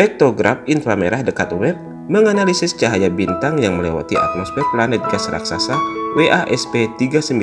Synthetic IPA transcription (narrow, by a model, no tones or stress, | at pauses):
ɛk̚t̪oɡɾaf̚inflameɾahdəkat̪wɛp̚ | məŋanalisɪst͡ʃaɦajabint̪aŋjaŋməlewa̰t̪ia̰t̪lɔspɛplanɛt̪̚ɡasɾa̰ksa̰saweʔaʔɛspet̪iɡasəmbi